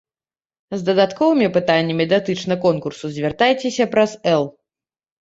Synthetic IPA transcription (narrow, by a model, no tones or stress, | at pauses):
zd̪ɐd̪at̪kɔvɨmʲipɨt̪anʲːɐmʲɛd̪ʲat̪ɨt͡ʂnɐkɔnkursuzʲvʲɛrt̪ajt͡sʲesʲɐpɾɐzɛlˠ